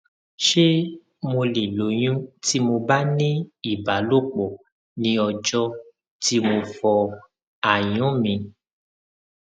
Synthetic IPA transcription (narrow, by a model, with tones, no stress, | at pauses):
ʃe˦ | mo˧li˨lo˨˦j̃ũ˦ti˦mo˧ba˦nĩ˦i˦˨ba˨˦lo˦k͡pɔ˨ | nĩ˧ɔ˧d͡ʒɔ˦˧ | ti˦mo˧fɔ˧ | a˨j̃ũ˨˦mĩ˧